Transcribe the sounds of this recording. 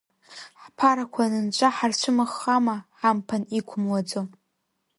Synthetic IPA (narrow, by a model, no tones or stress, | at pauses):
ħpʰaɾakʷʰanɨnt͡ʃʷʼaħart͡ʃʷʰɨmaχːamaħampʰanikʷʰʊmwad͡zo